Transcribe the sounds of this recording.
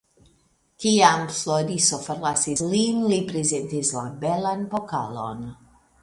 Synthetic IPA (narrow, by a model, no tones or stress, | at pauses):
kiamfloɾisofoɾlasislinlipɾezentislabelanpoka̰lo̰n